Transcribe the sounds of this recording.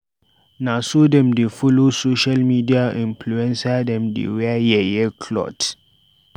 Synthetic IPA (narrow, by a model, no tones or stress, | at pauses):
nasodɛ̃mdefɔlosoʃalmidiaʔĩmpluɛ̃nsadɛ̃mdḛwɛajɛjɛkʰlɔ̰t